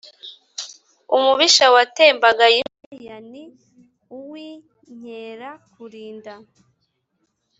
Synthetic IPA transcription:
umuβiʃawate̞ːmbaɡajiejani | uwi | ɲ̥eːɾakuɾiːnda

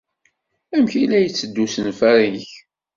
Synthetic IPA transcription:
æmçilæjət͡sːəd̪ːusənfæɾiç

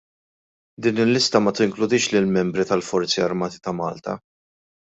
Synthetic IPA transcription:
d̪iːnɪlːɪst̪ɐmɐt̪ɪŋklʊd̪ɪːʃlɪlmɛmbɾit̪ɐlfɔɾt͡siɐɾmɐːt̪i̥t̪ɐmɐ̰ːlt̪ɐ̰

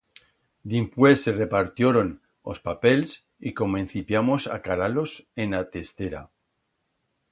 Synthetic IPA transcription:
d̪impwese̞re̞paɾt̪joɾon | o̰spape̞ls | iko̞moẽn̟θipjamo̞sa̰kaɾalo̞senat̪est̪eɾa̰

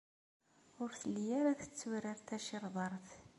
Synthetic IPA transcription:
ʊɾθəlːijaɾaθə̥t͡sːuɾɪɾt̪æʃɪɾˤðˤɑɾˤθ

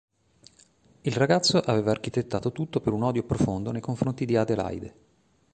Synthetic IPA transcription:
ilraɡat̪sːoʔaveːvaːrk̟it̪et̪ːaːt̪ot̪ut̪ːopeɾunɔd̪jopɾofond̪onejkoɱfɾont̪id̪iad̪ela̰jd̪ḛ

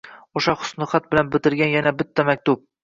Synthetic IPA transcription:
oʃaχʊ̥snɪχat̪̚bɪlanbɪt̪ɪɾɡʲanjanabɪt̪ʰːamak̚ʲt̪ʊp̚

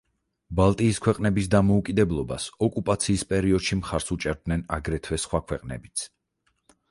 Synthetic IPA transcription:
balˠt̪ʼiːskʰwɛqʼnɛbis̬d̪amɔukʼid̪ɛblˠɔbasɔkʼupʼat̪sʰiːspʼɛɾiɔd̪̥ʃimχaɾsut͡ʃʼɛɾd̪nɛnaɡɾɛt̪ʰwɛsχwakʰwɛqʼnɛ̰bit̪sʰ

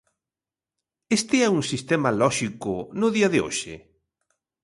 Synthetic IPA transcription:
est̪ɪɛuŋsist̪ɛmalɔʃikʊnʊðiɐðɪo̰ʃḛ

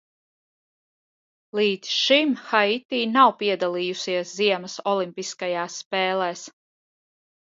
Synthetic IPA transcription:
lˠiːd̪sʃimxait̪iːnawpiɛd̪alˠiːjusiɛsziɛmɐsɔlˠimpiskajaːsːpɛːlˠɛːs

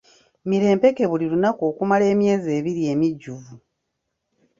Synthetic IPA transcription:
miɾe̞ːmpe̞ke̞βulilunako̞ːkumale̞ːmje̞ːze̞ːβiɾie̞ːmiɟːuvu

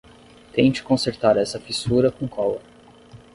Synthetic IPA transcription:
t̪ẽt͡ʃɪ̥kõseɾt̪aɾɛsɐfisuɾɐkõkʰɔlɐ

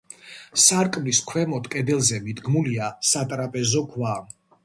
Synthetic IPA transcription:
saɾkʼmliskʰwɛmɔt̪kʼɛd̪ɛlˠzɛmid̪ɡmuliasat̪ʼɾapʼɛzɔɡʰwam

